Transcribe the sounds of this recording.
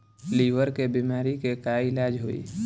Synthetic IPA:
liːʋəɾkebimaːɾikekaɪlaːd͡ʒɦoḭː

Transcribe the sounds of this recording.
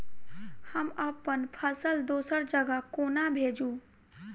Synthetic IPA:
həməpənpʰəsəld̪oːsəɾd͡ʒəɡəkoːnabʱeːd͡ʒũ

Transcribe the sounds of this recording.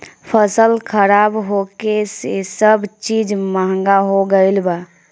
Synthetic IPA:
pʰəsəlkʰəɾaːbɦokesesəbt͡ʃiːd͡ʒməɦə̃ŋɡaɦoɡəɪlbaː

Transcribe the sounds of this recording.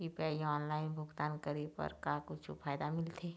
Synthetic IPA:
ipɛliɔːnlaːɪnbʱʊɡt̪aːnkəɾipə̰ɾkakʊt͡ʃʰṵfʰaːjd̪amɪlt̪ʰeː

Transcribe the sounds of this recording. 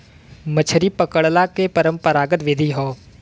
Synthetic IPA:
mət͡ʃʰəɾipəkəɭlakepəɾə̃mpəɾaːɡət̪ʋɪd̪ʱiɦoː

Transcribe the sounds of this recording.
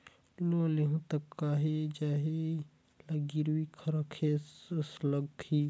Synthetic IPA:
loleɦũt̪əkːaɦed͡ʒaɦe | laɡiɾwikʰɐɾəkʰessləɡ̚kʰi

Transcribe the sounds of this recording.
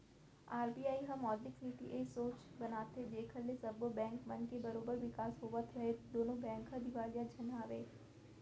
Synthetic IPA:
aːɾbiːaːiɦəmɔːd̪lɪksniːt̪ḭʔeːsoːt͡ʃbənaːt̪ʰed͡ʒeːkʰəlːesəbobɛ̃ːŋkmənkebəɾoːbəɾʋɪkaːsɦoːʋət̪ʰɾəɦed̪oːnõːbɛ̃ːŋkɦəd̪ɪʋaːljad͡ʒʱɐnaːʋeː

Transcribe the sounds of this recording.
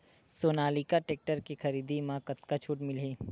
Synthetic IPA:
soːnaːlikaʈeːk̚ʈəɾkixɐɾiːd̪imãkɐt̪kat͡ʃʰuːʈmɪleː

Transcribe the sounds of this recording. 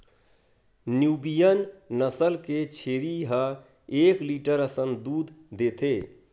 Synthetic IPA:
njubijənnəsəlket͡ʃʰeɾiɦə | ekliʈəɾəsənd̪ud̪d̪et̪ʰe

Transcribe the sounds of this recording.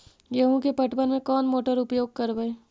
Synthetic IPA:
jɐɦõkepɐʈbənmẽkɔːnmoːʈəɾʊpjoːɡ̚kɐɾbəeː

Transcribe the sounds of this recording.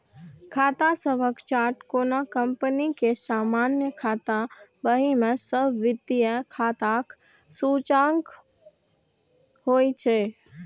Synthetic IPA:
kʰaːt̪asəbʱəkt͡ʃaːɾʈkoːnakəmpənikesaːmaːnjəkʰaːt̪abəɦimẽsəbʱʋɪd̪ijəkʰaːt̪ak | suːt͡ʃãːŋɡ | hoːit͡ʃʰe

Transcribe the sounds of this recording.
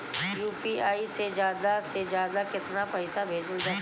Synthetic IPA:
juːpiaːised͡ʒjaːd̪ased͡ʒjaːd̪akɪt̪napɐɪsabʱeːd͡ʒəld͡ʒɐ

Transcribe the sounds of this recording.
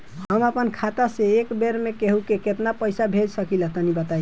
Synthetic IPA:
ɦəməpənkʰat̪aseekbeɾmekeɦukeket̪napəjsabʱed͡ʒsəkilət̪ənibət̪aj

